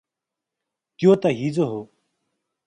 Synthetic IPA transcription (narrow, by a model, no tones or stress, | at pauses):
t̪joːt̪aːɦiːzoːɦoː